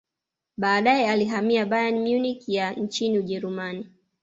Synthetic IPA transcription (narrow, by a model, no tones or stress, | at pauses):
ɓaːɗaɛaliɦamiaɓajanmjunikjant͡ʃiniuʄɛɾumani